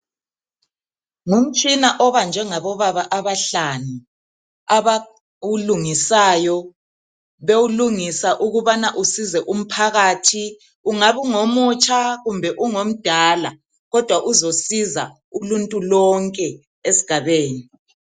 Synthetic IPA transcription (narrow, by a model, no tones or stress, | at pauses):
ŋum̩t͡ʃʼinaʔɔβand͡ʒʱɛŋaβɔβaβaʔaβaɬanu | aβa | uluŋisaːjɔ | βewuluŋisaʔuɣuβanaʔusizɛʔum̩pʰaɣaːtʰi | uŋaβuŋomut͡ʃʰʼaɣumbʱɛʔuŋom̩d̥ʱaːla | ɣɔd̥ʱwaʔuzosiza | uluntʼulɔŋkʼɛ | esi̥ɡ̥ʱaβeːni